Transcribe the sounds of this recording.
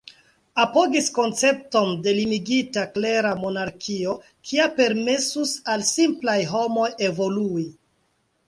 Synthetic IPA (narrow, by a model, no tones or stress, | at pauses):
apo̞ɡisko̞nt͡se̞p̚to̞nde̞limiɡitakle̞ɾamo̞naɾkʰio̞ | kʰiape̞ɾmesusalsimplajɦo̞mo̞je̞vo̞lui